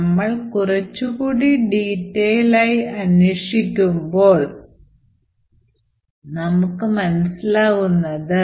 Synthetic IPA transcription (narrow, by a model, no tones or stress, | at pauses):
mːɐɭkurɐt͡ɕːukuːɽiɖiːtːeːjlaːjiɐnweʂikʲːumbo̞ːɭ | nɐmukːɨmɐnɐsilaːɣunːɐðɨ